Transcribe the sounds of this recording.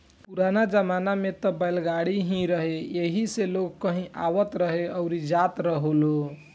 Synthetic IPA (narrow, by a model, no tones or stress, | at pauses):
puɾanad͡ʒəmanamet̪ɔbəjlɡaɽiɦĩɾəɦejeɦiseloɡkəɦĩʔa̰ʋət̪ɾəɦeəʊɾid͡ʒat̪ɾəɦolo